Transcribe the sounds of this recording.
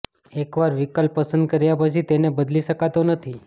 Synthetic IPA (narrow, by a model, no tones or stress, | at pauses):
ekʋaɾʋikəlpːəsənd̪̚kəɾjapət͡ʃʰit̪enebəd̪liʃəkat̪onət̪ʰi